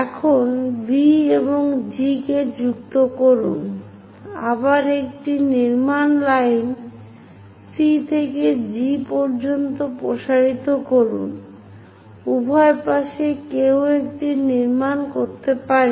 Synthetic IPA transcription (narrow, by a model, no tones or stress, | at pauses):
ɛkʰonbieboŋd͡ʑiked͡ʑuk̚t̪okoɾṵn | abaɾek̚ʈiniɾmanlajn | sit̪ʰeked͡ʑipɔɾd͡ʑont̪opɾoʃaɾit̪okoɾṵn | ubʱɔepaʃekewek̚ʈiniɾmankoɾt̪epaɾ